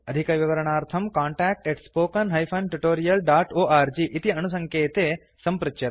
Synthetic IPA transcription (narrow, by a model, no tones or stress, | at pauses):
ɐd̪ʱikɐʋiʋɐɾɐɳ̃aːɾt̪ʰɐmkaːɳʈæːk̚ʈeʈspoːkɐnɦɐjpʰɐnʈuʈoːɾijɐlɖaːʈoːʔaːɾd͡ʒiːʔit̪iɐnus̬ɐ̃ŋkeːt̪eː | sɐmpɾut̪ʃɐ